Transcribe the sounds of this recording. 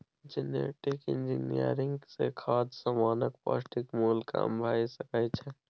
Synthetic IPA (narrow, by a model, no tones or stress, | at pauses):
d͡ʒɪnḛːʈɪkɪ̰nd͡ʒinijə̰ɾɪ̃ŋɡsekʰaːd̪samaːnək̚pa̰ːsʈɪkmuːlka̰mbʱaːisəkat͡ʃʰɛ